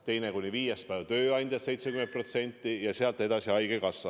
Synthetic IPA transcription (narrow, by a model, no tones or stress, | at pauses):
t̪e̞jnekunʲiviːjespævt̪ø̞ːɑnʲd̪̥ʲjɑt̪se̞jt̪sekymen̚pro̞t̪se̞nʲt̪ʲːˑijɑseɑlt̪ːˑe̞d̪ɑsiɑjɡ̥ekɑsːɑ